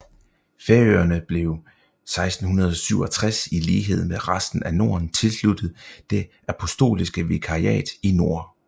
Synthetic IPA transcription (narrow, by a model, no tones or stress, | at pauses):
feɐø̰ːɐnəb̥le̝ʊ | sɑ̈ɪsd̥n̩hunɐð̞ˠɒsyʊɒ̽t͡sʰʁasiliːɦe̝ð̞̰ˠmeʁasd̥n̩æno̝ːɐnt͡sʰe̝lslud̥ð̩ˠd̥e̝ʔæpʰɔ̽sd̥o̝̰ːlisɡ̥əʋikʰɑ̈iɛ̰ːd̥ino̝ɐ̰